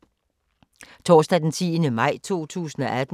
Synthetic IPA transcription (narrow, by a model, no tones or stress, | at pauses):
t͡sʰɒ̰ːsd̥æd̥ent͡sʰiːnəmɑ̈ɪ̰t͡sʰo̝̰ːt͡sʰṵːsn̩ɒ̽ʔæd̥